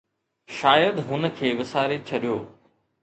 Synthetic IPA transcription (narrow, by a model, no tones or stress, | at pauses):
ʃaːjəd̪ɦʊnəkʰeːʋɪsaːɾet͡ɕʰɐɗijoː